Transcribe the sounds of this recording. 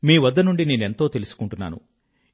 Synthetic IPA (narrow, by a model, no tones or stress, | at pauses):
miːʋɐd̪ːɐnuɳɖine̞ːne̞nt̪o̞ːt̪e̞lusu̥kuɳʈunːa̰ːnṵ